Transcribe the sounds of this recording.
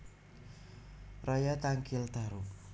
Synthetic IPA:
rajat̪aŋkɪlt̪aɾu

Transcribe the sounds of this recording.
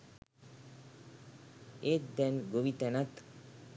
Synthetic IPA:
ed̪ɛnɡoʋit̪ɛnat̪

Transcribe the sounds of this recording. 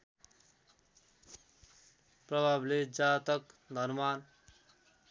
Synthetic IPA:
pɾʌbʱaːbled͡ʒaːt̪ʌkd̪ʱʌɾmaːn

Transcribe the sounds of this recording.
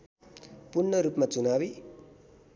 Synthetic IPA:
punːʌɾupmat͡sunabi

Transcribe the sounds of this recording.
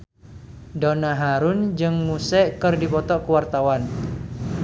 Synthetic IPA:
dɔnaɦaɾund͡ʒɨŋmusɛʔkɨrdipɔt̪ɔʔkuwart̪awan

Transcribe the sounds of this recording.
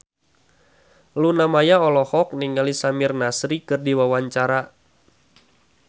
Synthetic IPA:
lunamajaɔlɔhɔk̚niŋalisamɪrnasɾikɨrdiwawaɲt͡ʃaɾa

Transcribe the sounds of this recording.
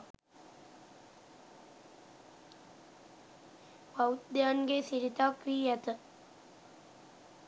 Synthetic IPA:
pawt̪d̪jaːnɡesiɾit̪aːkɾiːjat̪ə

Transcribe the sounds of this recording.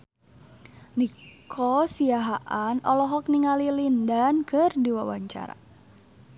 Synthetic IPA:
nikʰɔsiaɦaʔanʔɔlɔɦɔk̚niŋalilindankʰərdiwa̰wa̰ɲt͡ʃa̰ɾa̰

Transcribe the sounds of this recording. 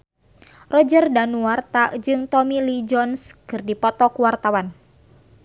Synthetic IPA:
rɔd͡ʒərdanuart̪ad͡ʒɨŋt̪ɔmilid͡ʒɔnskɨrdipɔt̪ɔkuwart̪awan

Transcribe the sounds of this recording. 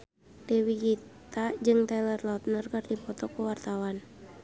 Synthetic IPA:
d̥ɛwiɡit̪ad͡ʒɨŋt̪ɛlərlɔt̪̚nərkɨrdipɔt̪ɔkuwart̪awan

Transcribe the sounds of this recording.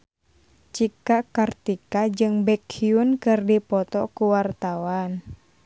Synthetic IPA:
t͡ʃikakart̪ikad͡ʒɨŋbɛkʰiunkɨrdipɔt̪ɔkuwart̪awan

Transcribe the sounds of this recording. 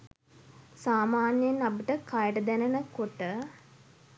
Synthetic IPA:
saːmaːnjenapiʈəkajəʈəd̪ænənəkoʈə

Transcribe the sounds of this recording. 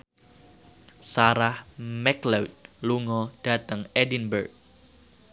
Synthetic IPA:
saɾahmɛklɛwt̪̚luŋɔd̥a̤t̪əŋɛdinbərk̚

